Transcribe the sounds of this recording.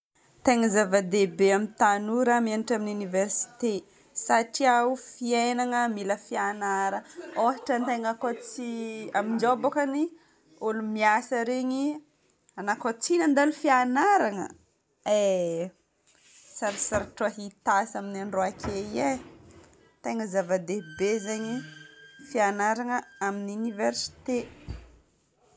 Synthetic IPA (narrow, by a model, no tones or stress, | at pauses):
t̪eŋəzavad̪ebeamint̪anuɾamianiʈ͡ʂaminuniversi̥t̪e | saʈ͡ʂiaufienaŋəmiləfianaɾəoaʈ͡ʂənt̪eŋakot͡siamid͡ʒobakani | olumiasəɾeɲi | anakot͡sinənd̪alufianaɾaŋə̰ | e | saɾisaɾaʈ͡ʂaɦit̪asaminaɳɖ͡ʐoakʲʰeie | t̪eŋəzavad̪ebezeɲifianaɾaŋəaminiuniversi̥t̪e